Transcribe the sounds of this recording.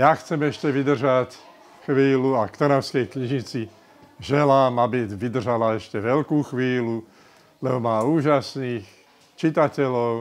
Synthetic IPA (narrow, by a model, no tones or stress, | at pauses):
jaxt͡sɛmɛʃcɛʋid̪r̩ʒac | xʋiːluakt̪ɔɾaʊskɛjkɲiʒit͡si | ʒɛlaːmabiʋid̪r̩ʒalaɛʃcɛʋɛlkuːxʋiːlu | lɛbɔmaːuːʒasniːx | t͡ʃit̪acɛlɔʊ